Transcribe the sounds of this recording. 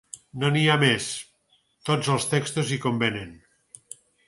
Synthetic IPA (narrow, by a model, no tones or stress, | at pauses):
noniames | t̪od͡zəlˠst̪ekst̪uzikombenen